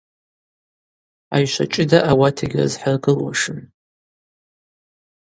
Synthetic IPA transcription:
a̰jʃʷa̰t͡ʃʼɪdaʔawatʰeɡʲrzħarɡɨlwa̰ʂɨn

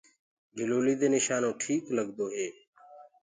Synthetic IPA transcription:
ɡʱɪloːliːd̪eːnɪʃaːnõːʈʰiːkləɡd̪oːɦeː

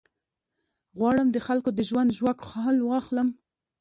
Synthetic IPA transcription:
ɣwɑɽəmd̪əxalkod̪əʒwand̪ʒwakxɑɦalwɑxləm

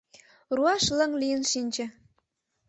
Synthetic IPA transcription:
ruɑʃlə̆ŋlijənʃinʲd͡ʑĕ

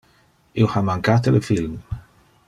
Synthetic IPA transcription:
iwhamaŋkaːt̪elfilm

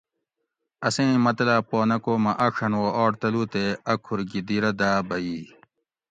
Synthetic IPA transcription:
ɐsẽːmɐt̪laːpoːnɐkoːmɐʔɐʂʰɐnwoːɔːʈt̪ɐluːt̪eɐkʰuɾɡid̪iɾɐd̪aːbɐiː

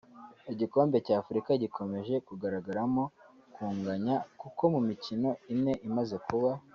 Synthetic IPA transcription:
iɟiko̞ːmbe̞caːfuɾikaɟikʰo̞me̞ʒe̞kuɡaɾaɡaɾamo̞kuːŋɡaɲakuko̞mumicino̞imŋe̞ʔimaze̞kuβa

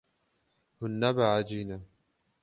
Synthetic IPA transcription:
hʊnːabaʕad͡ʒina

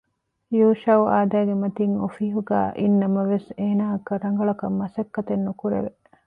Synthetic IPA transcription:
juːʃɐwaːd̪æːɡemɐt̪iŋofiɦuɡæ̰ːʔinːɐmɐʋeseːnaːɐkɐɾɐŋ̆ɡɐɭɐkɐmːɐsɐkːɐt̪enːukuɾḛʋe

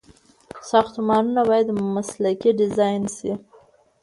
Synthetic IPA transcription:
sɑxt̪umɑnunabɑjad̪maslakiɖɪzɑjnsi

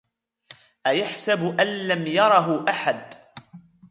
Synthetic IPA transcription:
ʔajaħsabʔanlamjɑɾˤɑɦʊʔaħad̪

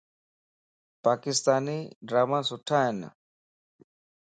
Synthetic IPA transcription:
paːkɪst̪aːniːɖɾaːmãːsʊʈʰaːɦen̰

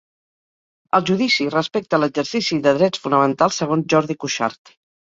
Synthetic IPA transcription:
əlˠʒuðisirəspɛk̚t̪ələɡzəɾsisiðəðɾɛt͡sfunəmənt̪alˠsːəɣ̞onzʒɔɾð̞ikuʃa̰ɾt̪

